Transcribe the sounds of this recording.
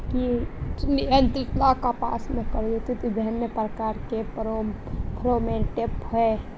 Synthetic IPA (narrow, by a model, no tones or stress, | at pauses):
kinɪjənt̪ɾɪt̪lakapa̰ːsmẽkəɾot̪it̪id̪ʱənjəpɾəkaːɾkeopʰɾomeʈepɦɛ